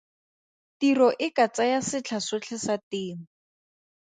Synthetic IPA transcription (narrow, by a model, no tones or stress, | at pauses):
tirɔʔɪkat͡sajasɪt͡ɬʰasʊt͡ɬʰɪsatɪːŋ̩